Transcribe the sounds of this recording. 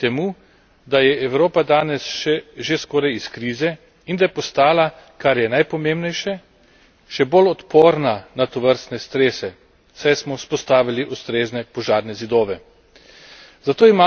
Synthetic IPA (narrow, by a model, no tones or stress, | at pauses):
t̪ɛmuː | d̪ajɛɛwɾoːpad̪aːnɛsʃɛʒeskɔːɾajiskɾiːzɛ | ind̪ajɛpɔst̪aːlakaɾjɛnajpɔmembnɛjʃɛ | ʃɛbolɔt̪poːɾnanat̪ɔʋəɾst̪nɛst̪ɾeːsɛ | sajsmɔspɔst̪aːʋiliʔust̪ɾeːznɛpɔʒaːɾnɛzid̪oːʋɛ | zat̪oːima